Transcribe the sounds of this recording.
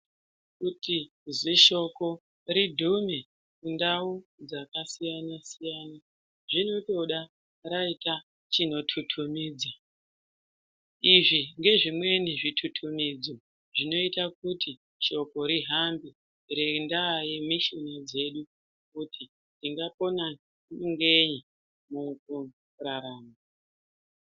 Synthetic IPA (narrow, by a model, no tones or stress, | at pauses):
kuti | ziʃo̞ko̞ | ɾidʱume | kundaud͡zakasijanasijaːna | ʐino̞to̞ɗa | raita | t͡ʃino̞tʰutʰumiːd͡za | iʐiŋɡe̞ʐimwe̞niʐitʰutʰumid͡zo̞ | ʐino̞itak̚utʰi | ʃo̞ko̞ɾiɦambi | rendajimiʃinad͡ze̞ɗu | k̚utʰi | ndiŋɡapo̞na | ŋɡe̞ɲi | muku | raɾaːma